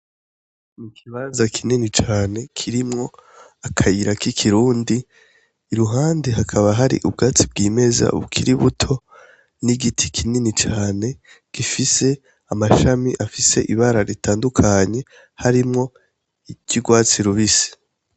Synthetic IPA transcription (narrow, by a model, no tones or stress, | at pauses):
nikʰiβanzakʰininit͡ʃaːne̞kʰiɾimŋo̞ | akʰajiɾakikʰiɾuːndiː | ɾuɦaːndeɦakʰaβaɦaɾḭʔub̚ɡaːt͡sibɡiːme̞za̰βṵkʰiɾiβutʰo̞ | niɡitʰi̥kʰininit͡ʃaːne̞ | ɡ̥ifise̞ | amaʃamiʔafise̞ʔiβaɾaɾitaːndukʰaɲe̞ | haɾimŋo̞ | iɟuɡwaːt͡siɾuβisi̥